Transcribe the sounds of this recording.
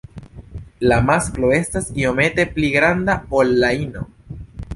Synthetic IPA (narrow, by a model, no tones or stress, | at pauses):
lamaskloe̞stasio̞me̞t̪e̞pliɡɾand̪aolːaino̰